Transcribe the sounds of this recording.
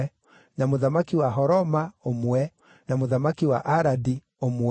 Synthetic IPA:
namoðamakiwaɦɔɾɔmaomwɛ | namoðamakiwa̰ʔaɾadi | omw

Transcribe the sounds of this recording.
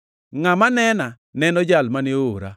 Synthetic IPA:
ŋamanɛna | nɛnɔd͡ʒalmanɪooɾa̰

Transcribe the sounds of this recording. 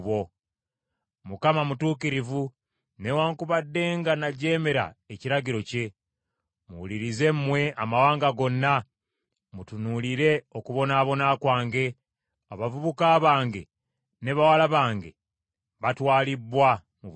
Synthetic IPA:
βo̞ | mukamamutuːkiɾivu | newaːŋkuβadːe̞ːŋɡanaɟe̞ːme̞ɾa̰eciɾaɟiɾo̞ce̞ | muwuliɾize̞mmwe̞ʔamawaːŋɡaɡo̞nːa | mutunuliɾe̞okuβo̞naːβo̞nakwaːŋɡe̞ | aβavuβukaːβaːŋɡe̞̰ | ne̞βawalaβaːŋɡe̞̰ | βatwaːlibwa | mu

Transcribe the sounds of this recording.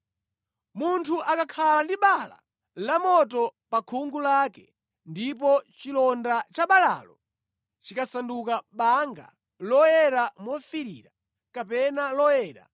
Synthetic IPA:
muntʰuʔakakʰalandiɓala̰ | lamɔtɔpakʰuŋɡulakɛ | ndipɔt͡ʃilɔndat͡ʃaɓala̰ːlɔ | t͡ʃikasandukaɓaŋɡa̰ | lɔjɛɾamɔfiɾiːɾa | kapɛnalɔjɛːɾa̰

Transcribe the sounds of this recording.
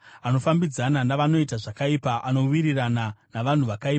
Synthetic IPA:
ano̞fambid͡zananaʋano̞itaʐakaipaʔano̞wiɾirananaʋan̤uʋakaiːpa

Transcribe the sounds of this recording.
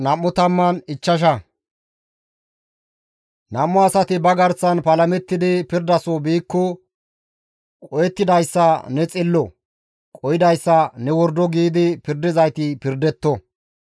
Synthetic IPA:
nɐmːʊt̪ɐmːɐnɪt͡ʃːɐʃ̬ɐ | nɐmːɔɐsɐt̪ɪbɐɡɐɾsɐnpɐlɐmɛt̪ːɪd̪ɪpɪɾd̪ɐsɔbiːkːɔ | kʼɔjɛt̪ːɪd̪ɐjsːɐnɛt͡sʼɪlːɔ | kʼɔjɪd̪ɐjsːɐnɛwɔɾd̪ɔɡiːd̪ɪpɪɾd̪ɪzɐjt̪ɪpɪɾd̪ɛt̪ːɔ

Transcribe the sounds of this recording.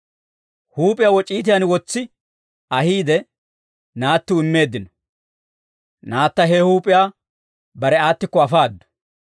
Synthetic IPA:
huːpʼɪjawɔt͡ʃʼiːt̪̬ɪjanwɔt͡sːɪ | ɐhiːd̪ɛ | naːt̪ːʊɪmːe̞ːd̪ːɪnɔ̥ | naːt̪ːɐɦɛhuːpʼɪjaː | bɐɾɛaːt̪ːɪkːɔɐfaːd̪ːɔ̥

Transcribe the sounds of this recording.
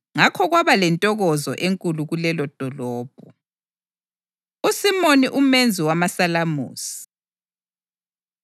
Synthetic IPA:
ŋakʰɔɣwaβalɛntʼɔɣɔzɔ̰ʔeŋkʼuluɣulɛlɔd̥ʱɔlɔːb̥̚ʱɔ | usimoniʔumend͡zʱiwamasalamṵːsi̥

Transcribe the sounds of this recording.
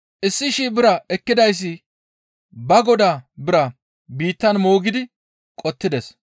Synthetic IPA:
ʔɪsːɪʃiːbɪɾɐɛkːɪd̪ɐjs̬ːɪ | bɐɡɔd̪aːbɪɾɐ | biːt̪ːɐnmoːɡɪd̪ɪ | kʼɔt̪ːɪd̪ɛs

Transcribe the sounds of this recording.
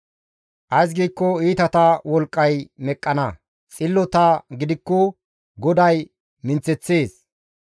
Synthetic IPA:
ʔɐjs̬ɡiːkːɔiːt̪ɐt̪ɐwɔlkʼːɐjmɛkʼːɐnɐ | t͡sʼɪlːɔt̪ɐɡɪd̪ɪkːɔ | ɡɔd̪ɐj | mɪnt͡sːɛt͡sːeːs

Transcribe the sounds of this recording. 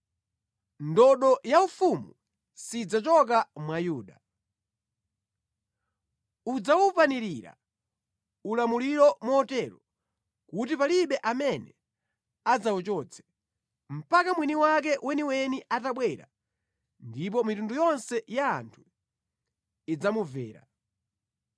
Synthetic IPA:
ndɔɗɔjaufumu | sid͡zat͡ʃɔk̬amwajuːɗa | ud͡zawupaniɾiɾa̰ | ulamuliɾɔmɔːtɛɾɔ | kut̬ipaliɓɛʔamɛnɛ̰ | ad͡zaut͡ʃɔt͡sʰɛ̥ | m̩pakamwiniwak̬ɛwʔɛniwɛniʔataɓwɛɾa̰ | ndip̬ɔmitundujɔnsɛja̰ːntʰu̥ | id͡zamuvɛ̰ːɾa̰

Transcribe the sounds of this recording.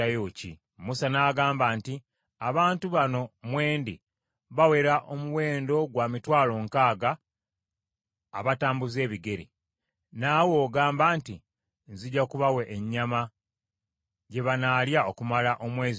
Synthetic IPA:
ajoːcḭ | musanaːɡaːmbaːnti | aβaːntuβano̞mwe̞ːndi | βawe̞ɾaʔomuwe̞ːndo̞ɡwaːmitwaːlo̞ːŋkaːɡa | βataːmbuze̞ːβiɡe̞ɾḭ | nawo̞ːɡaːmbaːnti | nziɟakuβawe̞ʔːɲːama | ɟe̞βanaːljaokumalaʔo̞mwe̞ːz

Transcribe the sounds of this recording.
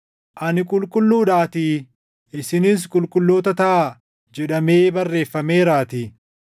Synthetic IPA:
ʔɐnɪkʼʊlkʼʊlːuːᶑaːt̪iː | ɪsɪnɪs̬kʼʊlkʼʊlːo̞ːt̪ɐt̪ɐʔa | d͡ʒɛᶑɐme̞ːbɐrːe̞ːfːɐme̞ːɾaːt̪iː

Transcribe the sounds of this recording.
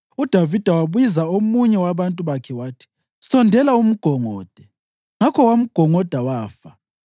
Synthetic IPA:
ud̥ʱavid̥ʱawaβuizaomuɲɛwaβantʼuβakʰɛwaːtʰi̥ | sɔndʱɛlaum̩ɡ̥ʱɔŋɔːd̥ʱɛ | ŋakʰɔwam̩ɡ̥ʱɔŋɔd̥ʱawaːfa

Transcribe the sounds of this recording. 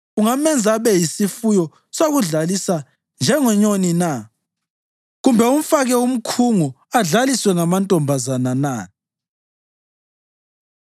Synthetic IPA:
uŋamɛnd͡zʱaβɛjisifujɔ | soɣuɮalisa | nd͡ʒʱɛŋɔɲonina | ɣumbʱɛum̩faɣɛum̩kʰuŋu | aɮaliswɛŋamantʼɔmbʱazanana

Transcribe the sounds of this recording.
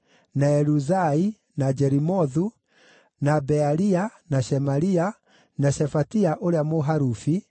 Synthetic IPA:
naɛɾuzai | nad͡ʒɛɾimɔðu | nabɛaɾianaʃɛmaɾia | naɕɛfatiaʔoɾeamoɦaɾufi

